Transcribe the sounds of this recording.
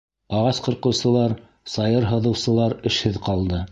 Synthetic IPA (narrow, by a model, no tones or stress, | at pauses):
ɑʁɑsqɤ̆ɾqɤ̆wsɤ̆lˠɑɾ | sɑjɤɾɦɤ̆ðɤ̆wsɤ̆lˠɑɾɘ̆ʃhɘðqɑlˠd̪ɤ